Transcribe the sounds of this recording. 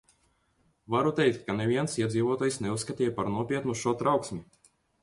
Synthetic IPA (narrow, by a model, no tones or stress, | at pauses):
vaɾut̪ɛjk̚t̪̚ʲkanevʲiɛnsiɛd̪ziːvuɔt̪ɔːjsneusːkat̪ʲiɛːjapaɾnuɔpʲiɛt̪nuʃɔt̪ɾawksmʲi